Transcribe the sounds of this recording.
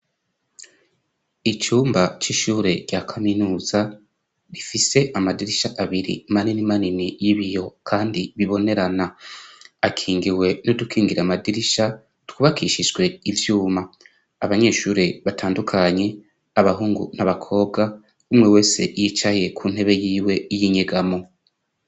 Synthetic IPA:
it͡ʃuːmbat͡ʃiʃuːɾe̞ɟjakʰaminuːz̥a | βifise̞ʔamadiɾiʃaʔaβiɾḭmaninimaninijiβijo̞kʰaːndiβiβo̞ne̞ɾana | akʰiːŋɡiwe̞no̞dukʰiːŋɡiɾamadiɾiʃa | tu̥kuβakʰiʃiʒɡwe̞ivjuːmaː | βaɲe̞ːʃuːɾe̞βatʰaːndukʰaɲe̞ | aβaɦuːŋɡṵnaβakʰo̞ːbɡa | umŋewe̞ːse̞ʔjit͡ʃaje̞kʰuːn̥he̞βe̞jiːwe̞jiɲeɡamo̞

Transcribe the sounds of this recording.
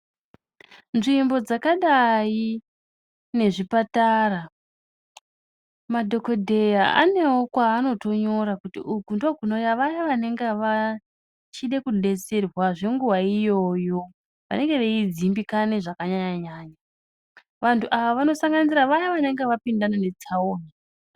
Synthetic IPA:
nʐimbo̞d͡zakaɗai | ne̞ʐipataːra | madʱo̞ko̞dʱe̞jaa̰ne̞wo̞kwaːno̞to̞ɲo̞ɾakutḭukundokunojaʋajaʋane̞ŋɡeʋa | t͡ʃiɗekuɗe̞t͡serwaʐe̞ŋɡuwaijo̞jo̞ | ʋa̰ne̞ŋɡe̞ʋeid͡zimbikane̞ʐakaɲaɲaɲaːɲa | ʋantʰuʔaʋaʋano̞saŋɡaniziɾaʋajaʋane̞ŋɡeʋapindanane̞t͡sʰaoːna

